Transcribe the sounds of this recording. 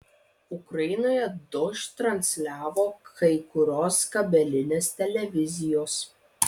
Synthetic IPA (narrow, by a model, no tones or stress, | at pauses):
ʊkɾɐɪnoːjɛd̪ʊʃt̪ɾɐnʲsʲlʲæːʋoːkɐɪkʊɾʲoːskɐbʲɛlʲɪnʲeːst̪ʲɛlʲɛʋʲɪzʲɪjoːs